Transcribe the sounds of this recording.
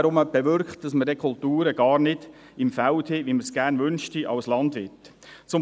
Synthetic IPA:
ɾʊməb̥ɛʋʏɾkt̚d̥ɑsmədɛkʰʊltuːɾəɡ̥ɑːɾnɪd̥ | ɪmfælthɪʋiməsɡ̥æːɾnʋʏnʃtiʔɑ̰wslɑndʋɪt | t͡sʊ

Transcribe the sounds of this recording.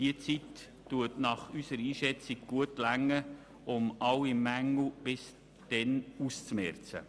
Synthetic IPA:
d̥iət͡sitː | uətnɑχysəɾiːʃɛt͡siɡ̚ɡ̥uətlæŋːə | ʊmʔɑwimæŋl̩b̥ɪs | d̥ɛnust͡smɛɾt͡sə̰

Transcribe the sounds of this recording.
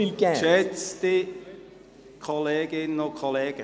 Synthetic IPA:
ilɡɛʃɛt͡st̪i | kʰoleːɡ̥ɪnokʰoleːɡ̥ə

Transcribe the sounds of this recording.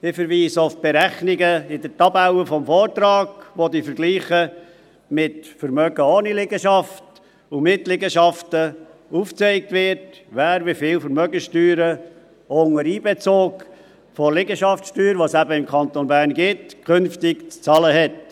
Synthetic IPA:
ɪfəɾʋiːsofb̥eɾæχnɪɡəɪdəɾtɑbæwəfɔmfɔːɾtɾɑːɡʋodifəɾɡliːχə | mɪtfəɾmœɡ̥əoːnilɪɡəʃɑft | umɪtlɪɡəʃɑftəuːft͡sɛɪk̚tvɪɾt | ʋæːɾʋifɪːlfəɾmœɡənʃtyːɾə | oŋəɾiːbɛt͡soːk | fɔlɪɡəʃɑftsʃtyːɾʋosæbəɪmkʰχɑnt̪onbæːɾnɡɪtkʰʏnftɪkt͡st͡sɑləɦɛt

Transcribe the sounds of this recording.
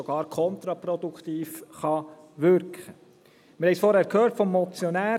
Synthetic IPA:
ɔɡ̥ɑːɾkʰɔnt̪ɾɑpɾɔd̪ukχt̪iːfχɑ | ʋʏɾkχə | mɪɾhɛɪsfɔɾhæːɾkʰhøːɾtfɔmːɔt͡sjɔnæː

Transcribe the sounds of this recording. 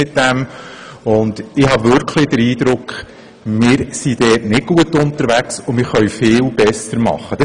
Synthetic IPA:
ɪt̚d̥ɛm | ʊnd̥ɪhɑʋʏɾkʰlɪd̥əɾiːd̪̥ɾʊkχ | mɪːɾsid̥ɛːtnɪd̚ɡ̥uətʊnt̪əɾʋæksʊmɪɾχœɥfɪːlb̥ɛsəɾmɑ̰χːəd̥ɑ

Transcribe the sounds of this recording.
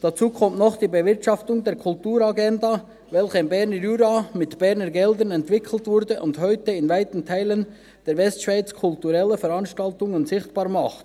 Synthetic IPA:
d̥at͡suːkʰɔmtnɔχd̥iːbəvɪʁtʃɑftʊŋdeːɾkʰʊltuːɾaɡɛnda | vɛlçəɪnbɛʁnəʁyɾamɪtb̥ɛʁnəɡɛldənɛntv̥ɪkʰl̩tv̥ʊɾdəʔʊndhɔʏtəɪnvaɪtn̩tʰaɪlən | d̥eːɐvɛstʃv̥aɪt͡skʰʊltuɾɛləfɛɾɑnʃtaltʊŋənzɪçtb̥aːʁmɑχt

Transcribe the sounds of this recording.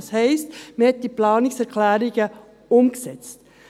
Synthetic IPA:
shɛɪstməhɛt̚d̥iplɑːnɪksɛʁkʰlæːɾɪɡ̥ə | ʊmɡ̥əsɛt͡st

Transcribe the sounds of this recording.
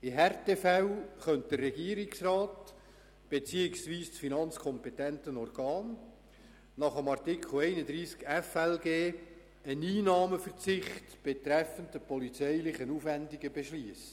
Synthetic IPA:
ɪɦɛrtefɛwχœnt̚d̥̪ərːɛɡiːɾɪksrɑːt | b̥et͡siːɪksviːst͡sfinɑnt͡skʰɔmpɛtɛntənɔrɡ̥ɑːn | nɑχəmɑrtɪkʰl̩ɛɪnədɾiːskɛfɛlɡeː | əniːnɑːməfərt͡sɪχtb̥et̪ɾɛfəntəpɔlit͡sɛɪlɪχənuːfʋændɪɡəbeʃliəsə̥

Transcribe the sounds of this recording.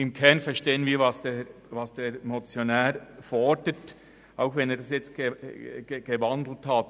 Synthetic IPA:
ɪmkʰɛɐnfɛʃteːənviːɾvɑsd̥e | vɑsd̥eːɾmot͡sjonɛːɾfɔdət | ʔaʊxvɛneːɐd̥ɑsjɛt͡st̚ɡ̥e̥ | ɡ̥evɑndl̩thɑt

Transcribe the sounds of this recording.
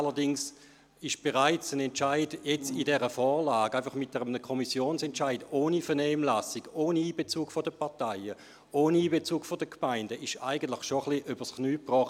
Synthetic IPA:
alɐdɪŋs | ɪʃb̥eʁaɪt͡sənɛntt͡ʃaɪd̥jɛt͡sidɛʁəfɔːʁlaːɡ̥aɪfɑχmɪt̚d̥ɛʁəmnəkʰɔmisjoːnsɛntt͡ʃaɪdoːnifɛɐnɛːmlasiɡ̥oːniiːb̥et͡suːkfodəpɑɐtaɪə | oːniiːbet͡suːkfodəkʰmaɪndəʔɪʃaɪɡən̩tlɪχʃoχliʔyb̥əsχnyːpʁɔχt

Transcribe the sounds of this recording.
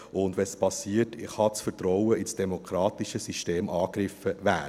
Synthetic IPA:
ʔʊndʋɛspɑsiːətɪχɑt͡sfərtɾɔwəisd̥ɛmokʰɾɑːt̪iʃəsiʃteːmʔɑːkɾɪfəvæː

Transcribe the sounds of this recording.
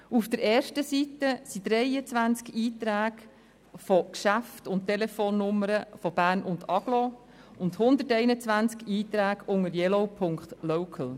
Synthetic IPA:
ufd̥̪əɾɛːrʃtəsitəsid̥̪ɾɛjət͡sʋænt͡skiːt̪ɾæːɡ̥ | fɔkʃæftʊnttːelefoːnːʊmːəɾəfɔb̥æːɾnʊndɑɡ̥lɔ | ʊndhʊnd̪ətɛɪnət͡sʋænt͡skiːt̪ɾæːɡʊŋəɾjɛloʊpʰʊŋktlowkʰəl̩

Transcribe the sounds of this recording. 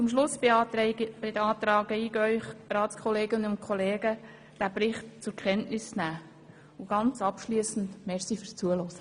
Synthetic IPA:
t͡sʊmʃlʊsbɪb̥ɪdəɑːt̪ɾɑːɡəiːɡœʏχɾɑːtskʰɔleːɡənʊntkʰɔleːɡə | d̥æbɾɪχt̚t͡sʊɾkʰχɛntnɪsnæː | ʊɡ̥ɑnt͡sɑpʃliːəsn̩tmɛɾsifyɾst͡suəlɔsə̥

